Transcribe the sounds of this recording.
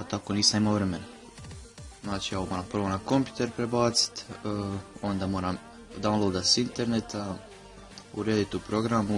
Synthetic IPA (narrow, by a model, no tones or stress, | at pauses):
at̪ako̞niːsamimaoʋɾe̞me̞na | znaːt͡ʃiakomoːɾaːmprʋo̞nako̞mpʲju̥t̪e̞ɾpɾebaːt̪si̥t̪ː | o̞nd̪amo̞ːɾam | d̪anlˠod̪asint̪e̞ɾnet̪a | ṵɾeːd̪it̪upɾo̞ɡɾamu